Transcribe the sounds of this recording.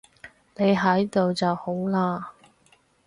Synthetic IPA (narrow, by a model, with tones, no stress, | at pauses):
ne˨˧jɦɐ˨˥jt̪o˨wt͡sɐ˨who˨˥wlaː˧